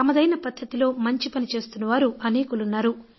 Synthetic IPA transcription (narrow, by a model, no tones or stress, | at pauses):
ɐmɐd̪ɐjnɐpɐd̪ʱːɐt̪ilo̞ːmɐɲt͡ʃipɐnit͡ʃe̞ːst̪unːɐʋaːɾuʔɐneːkulunːaːɾu